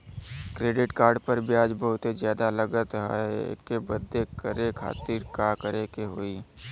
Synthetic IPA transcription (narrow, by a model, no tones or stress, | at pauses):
kɾeːɖɪʈkaːɾɖpəɾbʱiaːd͡ʒbəɦʊt̪ezjaːd̪aləɡət̪ɦɛ̰kebəd̪ːekəɾekʰa̰ːt̪ɪɾkakəɾekeɦoːiː